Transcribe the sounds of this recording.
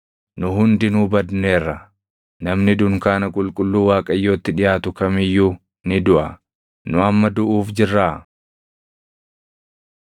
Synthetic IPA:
nʊɦʊnd̪ɪnuːbɐd̪neːrːɐ | nɐmnɪd̪ʊŋkaːnɐkʼʊlkʼʊlːuːwaːkʼɐjːo̞ːt̪ːɪᶑɪjaːt̪ʊkɐmɪjːuː | nɪd̪ʊʔɐ | nʊɐmːɐd̪ʊʔuːfd͡ʒɪrːaː

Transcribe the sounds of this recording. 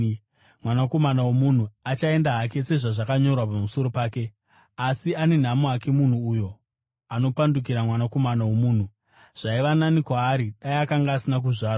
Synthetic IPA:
mwanako̞manawomun̤uat͡ʃae̞ndaɦak̬e̞se̞ʐaʐakaɲo̞rwapamuso̞ɾo̞paːke̞ | asiane̞n̤amoake̞mun̤uːjo̞ | ano̞panduk̬iɾamwanako̞manawomuːn̤u | ʐ̥aiʋananikwaːɾiɗaiakaŋɡaːsinak̬uʐaːra

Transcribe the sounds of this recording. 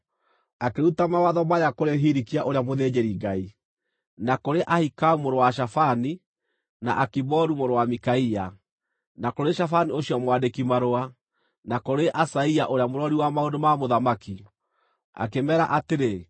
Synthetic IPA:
akeutamawaðɔmajakoɾeɦiɾikiaʔoɾeamoðed͡ʑeɾiɡai | nakoɾeʔahikaumoɾowaʃ̬afani | na̰ʔakibɔɾumoɾowamikaia | nakoɾeʃafanioɕiɔmwadekimaɾoa | nakoɾeʔasaiaʔoɾeamoɾɔɾiwamaondomamoðamaki | a̰kemɛːɾaʔateɾe

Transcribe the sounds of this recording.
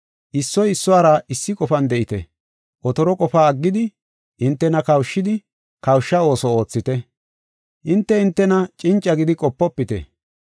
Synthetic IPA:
ʔɪsːɔjɪsːɔwaːɾɐʔɪsːɪkʼɔfɐnd̪ɛʔɪt̪ɛ̰ | ʔɔt̪ɔɾɔkʼɔfaːɡːɪd̪ɪ | ʔɪnt̪ːɛnɐkɐwʃːɪd̪ɪ | kɐwʃːɐo̞ːsɔo̞ːt͡sːɪt̪ɛ | ʔɪnt̪ːɛɪnt̪ːɛnɐt͡ʃʼɪnt͡ʃʼːɐɡɪd̪ɪkʼɔpːɔpːɪt̪ɛ̰

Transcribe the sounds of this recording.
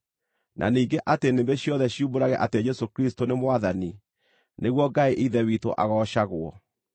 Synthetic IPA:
nʔa̰niːŋɡeʔatenembeɕjɔðɛɕjumboɾaɣɛʔated͡ʒɛsokɾistonemwaðani | neɣwɔɡaeʔiðɛwito̰ʔa̰ɣɔɕaɣwɔ̰

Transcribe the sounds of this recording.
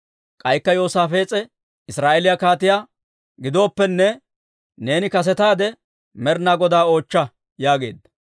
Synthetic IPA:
kʼɐjkːɐjo̞ːsaːfe̞ːt͡sʼɛ | ɪsɾaːʔelɪjakaːt̪ɪjaː | ɡɪd̪o̞ːpːɛnːɛ | ne̞ːnɪkɐs̬ɛt̪aːd̪ɛ | mɛɾnaːɡɔd̪aːo̞ːt͡ʃːɐ | jaːɡe̞̰ːd̪ːɐ

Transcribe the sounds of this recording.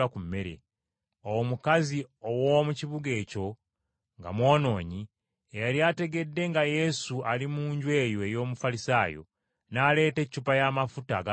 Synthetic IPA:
akume̞ɾḛ | owomukaziowomuciβuɡe̞ːco̞ | ŋɡa̰mwo̞ːno̞ːɲi | ejaɾjate̞ɡe̞dːe̞ŋɡaje̞sualimuːɲɟwe̞ːjoe̞jo̞ːmufalisaːjo̞̰ | naːle̞ːte̞cːupajamafutaɡa

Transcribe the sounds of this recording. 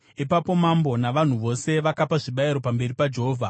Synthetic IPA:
ipapo̞mambo̞naʋan̤uʋo̞se̞ʋakapaʐiɓaiɾo̞pambe̞ripad͡ʒe̞ɦoːvʱa

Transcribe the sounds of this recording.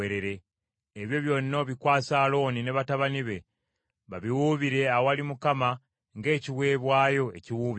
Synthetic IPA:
eɾe̞ɾe̞ː | βjo̞βjo̞ːnːoβikwaːsalo̞nine̞βataβaniβe̞ | βaβiwuβiɾe̞aowalimukama | ŋɡe̞ːciwe̞ːβwaːjo̞e̞̰ciwuːβ

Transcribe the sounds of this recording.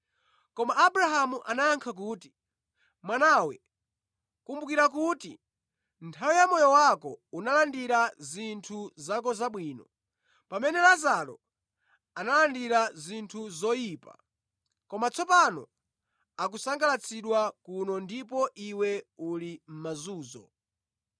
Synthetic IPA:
kɔmaʔːbɾaɦamuʔanajaŋkʰak̬uːti̥ | mwanawɛ | kumbukiɾakuti | ntʰawijamɔjɔwakɔunalandiɾazintʰuzakɔzaɓwiːnɔ | pamɛnɛlazalɔ̰ | analandiɾazintʰuzɔjiːpa̰ | kɔmat͡sʰɔpanɔ̰ | akusaŋɡalat͡sʰiɗwakunɔndipɔʔiwɛulim̩mazuːzɔ̰

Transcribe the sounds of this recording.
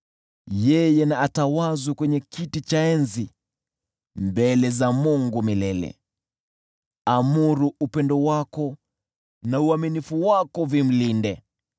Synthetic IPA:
jɛjɛnaːtawazukwɛɲɛkitit͡ʃaɛnzi | mbɛlɛzamuŋɡumilɛlɛ̰ | amuɾuupɛndɔwakɔ | nauaminifuwakɔvim̩lindɛ

